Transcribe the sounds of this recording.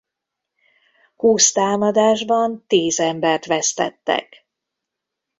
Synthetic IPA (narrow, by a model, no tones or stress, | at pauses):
huːst̪aːmɒd̪aːʒbɒnt̪iːzɛmbɛrt̪ʋɛst̪ɛ̰t̪ːɛ̰k